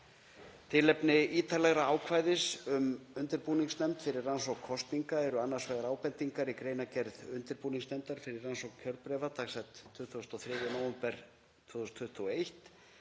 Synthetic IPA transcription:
t̪ʰɪlɛpnɪiːt̪ʰalɛɣɾaaːwkʰvaːjðɪsʏmʏnt̪ɪɾpuːniŋsnɛmt̪fɪɾɪransowkʰːɔst̪niŋkaɛɾʏanːaɾ̥svɛːɣaɾaːwpɛnt̪iŋkaɾikɾeːjnacɛɾðʏnt̪ɪɾpuniŋksnɛmt̪aɾ̥fɪɾɪrːansowkkcʰœɾpɾɛvat̪ʰaːɣsɛt̪ʰːʏht̪uɔst̪ɔθɾɪːvɪnowɛmpɛɾ̥ | t̪ʰvʏːθɔst̪ʰːʏht̪ʰuɔejht̪

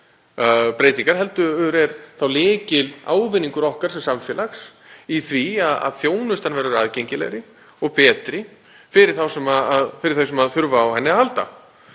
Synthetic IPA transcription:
pɾejt̪iŋkaɾ̥ɦɛlt̪ʏʏɾɛɾθawlɪːcɪla̰ːwvɪniŋkʏɾɔhkaɾ̥sɛmsamfjɛːlaxs | iθviaða̰ðθjoːwnʏst̪anvɛɾʏɾaðcejɲcɪlɛ̰ɾɪ | ɔɣpɛːt̪ɾɪ | fɪɾɪɾ̥θawsɛmaaðfɪɾɪɾ̥θes̬ɛmaðθʏɾvaːwhɛnːɪaalt̪a̰

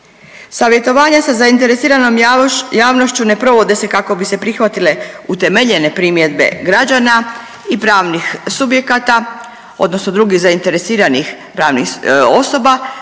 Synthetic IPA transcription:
saːʋje̞t̪o̞ʋaːɲasazaint̪e̞ɾesiːɾano̞mjaːʋno̞ʃt͡ɕune̞pɾo̞ʋo̞d̪e̞se̞kako̞bise̞pɾixʋat̪ile̞ut̪e̞me̞ʎe̞ne̞pɾimje̞d̪be̞̰ɡɾad͡ʑana | ipɾaːʋnixsubje̞kat̪a | o̞̰d̪no̞sno̞d̪ɾuɡizaint̪e̞ɾe̞siːɾanix | pɾaːʋnḭxo̞so̞ba

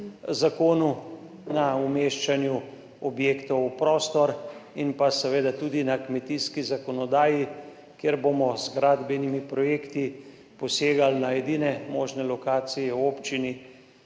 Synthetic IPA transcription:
zakoːnu | naumeːʃt͡ʃanju | ɔbjeːkt̪ɔwpɾoːst̪ɔɾinpasɛʋeːd̪at̪uːd̪inakmɛt̪iːskizakɔnɔd̪aːji | kjeːɾbomɔzɡɾad̪bɛnimipɾɔjeːkt̪i | pɔseːɡalnaɛd̪iːnɛmoːʒnɛlɔkaːt̪sijɛwoːpt͡ʃini

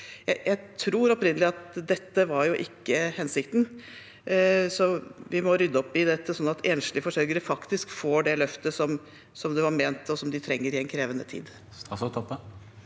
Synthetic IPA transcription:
jæɪjæɪt̪ʰɾuːɾɔpɾɪnəlɪɑt̪d̪ɛt̪ːəʋɑɾjʊʔɪkːəhɛnsɪkt̪n̩ | sɔʋɪmɔɾʏd̪ːəɔpːɪd̪ɛt̪ːəsɔnːɑt̪ʰeːnʂlɪəfɔʂœɾɡəɾəfɑkt̪ɪskfoːɖɛlœft̪əsɔm | sɔmd̪ʉʋɑɾmeːnt̪ɔsɔmd̪ɪt̪ʰɾɛŋːəɾɪɛnkʰɾeːʋənət̪ʰḭːd̪ | st̪ʰɑt̪ɛ

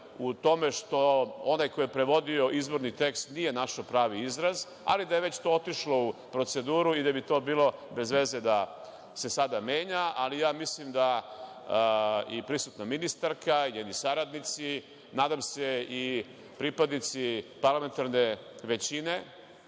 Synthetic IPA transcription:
ut̪o̞me̞ʃt̪o̞onajkojepɾe̞ʋo̞d̪io̞ʔizbo̞ɾnit̪e̞kst̪nije̞naʃopɾaːʋiizɾaz | a̰lid̪ajeʋe̞t͡ɕt̪o̞ːo̞t̪iʃlo̞upɾo̞t̪se̞d̪uːɾuid̪abit̪o̞ːbiːlˠo̞be̞zʋe̞zed̪a | se̞sad̪ame̞ːɲaʔalijaːmislimd̪a | ipɾisut̪naminist̪aɾkaiɲed̪nisaɾad̪nit̪si | naːd̪amse̞i | pɾipad̪nit̪sipaɾlˠame̞nt̪aɾne̞ʋe̞t͡ɕine̞

